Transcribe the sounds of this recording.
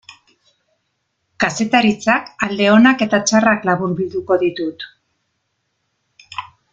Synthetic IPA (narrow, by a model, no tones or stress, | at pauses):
kase̞t̪aɾit͡sakald̪e̞o̞nake̞t̪at͡ʃaraklaβuɾbild̪uko̞ðit̪ut̪